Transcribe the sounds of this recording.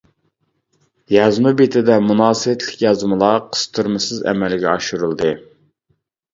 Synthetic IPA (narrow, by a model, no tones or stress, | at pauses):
jɑzmubet̪ʰɪd̪ɛmunɑːsɨwɛt̪ʰlɪkʲjɑzmɨlˠɑqʰə̥st̪ʰuɾmɨsɨzɛ̰mɛlɡʲɛɑʃuɾulˠd̪ɨ